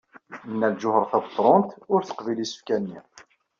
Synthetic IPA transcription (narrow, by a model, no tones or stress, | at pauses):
nːælʒʊhəɾˤθæbət̪ˤɾˤont̪ʊɾθə̥qvilisə̥fkænːḭ